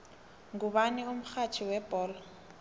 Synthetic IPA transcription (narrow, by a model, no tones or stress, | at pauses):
ŋɡuβanium̩xat͡ʃʰiwɛb̥ɔːlɔ